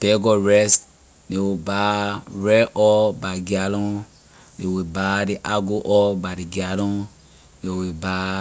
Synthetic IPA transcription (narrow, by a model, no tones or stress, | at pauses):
pɛɡɔɹɛst | dewibaɹɛʔɔbaɡialɔ̃ | dewibadiʔaɡoʔɔbadiɡialɔ̃ | dewiba